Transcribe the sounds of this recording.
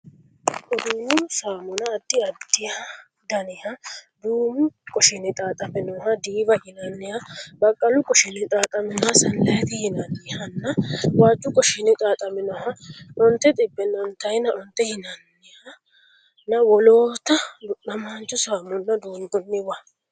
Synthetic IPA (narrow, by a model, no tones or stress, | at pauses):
ʔɔd̪uːmʊsaːmʊnɐːd̪ːɪɐd̪ːɪja | d̪ɐnɪhɐd̪uːmʊkʼɔʃɪnɪt̪ʼaːt̪ʼɐmɪnɔɦɐd̪iːbɐʔɪnɐnːɪjabɐkʼːɐlʊkʼɔʃɪnɪt̪ʼaːt̪ʼɐmɪnɔhɐsɐlːɐjɛt̪ɪhɪnɐnːɪhɐnːɐwaːt͡ʃːʊkʼɔʃɪnɪt̪ʼaːt̪ʼɐmɪnɔhɐɔnt̪ːɛt̪ʼɪbːɛnːɔnt̪ːɐjnɐʔɔnt̪ːɛhɪnɐnːɪhɐ | nɐwɔloːt̪ːɐɐmaːnt͡ʃːʊsaːmʊnːɐd̪uːnd̪ɔnːɪwa